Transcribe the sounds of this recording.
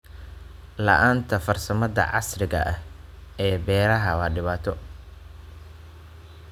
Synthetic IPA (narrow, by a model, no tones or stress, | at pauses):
lɐ̰ʔaːnt̪ʰɐfɐrsɐmɐðɐ̰ʕɑ̰srɪɣɐ̰ʔɐhɛːbɛːɾɐɦɐwɑːɖɪβaːt̪ʰɔ